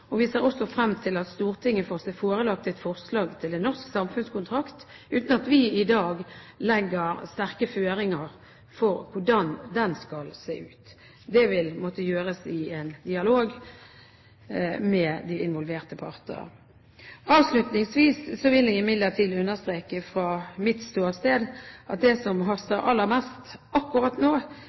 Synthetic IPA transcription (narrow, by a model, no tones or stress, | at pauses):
ɔʋɪseːʁɔsɔfɾɛmːt̪ʰɪlɑt̪st̪uːʁt̪ʰɪŋːəfoːʁsɛfoːɾəlɑk̚t̪ɛt̪fɔʁslɑːɡt̪ʰɪlɛnɔʁsksɑmfʉnskʊnt̪ʰʁɑkt̪ʉːt̪n̩ɑt̪ʋɪɪd̪ɑːɡlɛɡːəʁst̪æʁkəføːɾɪŋəʁ | fɔʁkʰʊɖɑnd̪ɛnskɑlsḛːʉːt̪ | d̪ɛʋɪlmɔt̪əjøːɾəsɪɛnd̪ɪɑloːɡ | mɛd̪ɪɪnʋɔlʋeːʁt̪əpʰɑʁt̪ə̰ɾə̰ | ɑːʋslʉt̪nɪŋsʋiːssɔʋɪlɪɡɪmɪd̪lət̪ʰiːd̪ʉnːəst̪ɾeːkəfɾɑːmɪt̪st̪uːst̪eːd̪ʔɑt̪̚d̪ɛsɔmɦɑst̪əɾɑ̰lːəʁmɛst̪ɑkːʊɾɑt̪noː